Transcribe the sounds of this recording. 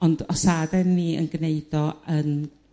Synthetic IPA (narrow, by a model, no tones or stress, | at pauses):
ɔndɔsadɛnːiːə̰nɡ̥neɨd̥ɔən